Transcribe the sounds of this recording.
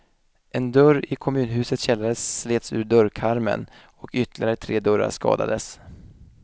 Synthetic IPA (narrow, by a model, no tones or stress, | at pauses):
ʔɛnd̪œɾɪkʰɔmʉ̟ːnɦʉ̟ːsət̪ɕɛlːad̪əsːleːt̪sʉ̟ːɖœɾkʰaɾmə̰n | ɔkʏt̪ːlɪɡaɾət̪ʰɾeːd̪œɾa̰ʂkɑ̰ːd̪a̰d̪əs